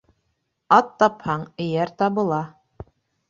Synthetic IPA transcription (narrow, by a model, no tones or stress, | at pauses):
ɑt̪ːɑphɑɴɘ̆jæɾt̪ɑβɤ̆lˠɑ